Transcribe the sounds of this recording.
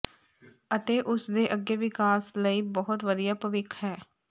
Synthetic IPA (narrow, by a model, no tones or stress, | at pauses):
ət̪eːʔʊsd̪eːʔəɡːeːʋɪkaːsləiːbɔɦʊt̪ʋəd̪ijaːpəʋɪkʰɦɛː